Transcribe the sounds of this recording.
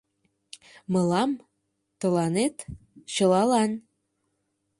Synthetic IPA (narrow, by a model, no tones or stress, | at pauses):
mə̆lɑm | t̪ə̆lɑnet̪ | t͡ɕə̆lɑlɑn